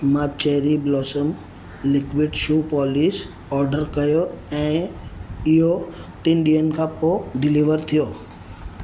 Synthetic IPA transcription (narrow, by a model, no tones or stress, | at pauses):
mat͡ʃɛɦɾiblɔːsəm | lɪkʋɪɖʃuːpɔːlis | ɔːɾɖəɾkɐjoɛ̃ | ɪɦoʈɪ̃nɖijənkʰãpoɖɪliʋəɾt̪ʰijoː